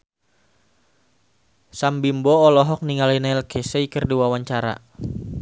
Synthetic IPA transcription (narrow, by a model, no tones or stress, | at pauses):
sambimbɔːlɔɦɔk̚niŋalinaɛlkeseikərduwawaɲt͡ʃaɾa̰